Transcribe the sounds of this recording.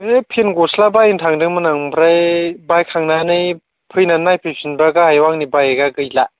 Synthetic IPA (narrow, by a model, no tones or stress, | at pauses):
epʰenɡɔslabajintʰaŋdɯŋmɯnaŋbʰɾajbajkʰaŋnanɯj | pʰɯjnanajpʰɯjpʰinbaɡaajwaŋnibajeɡaɡɯjla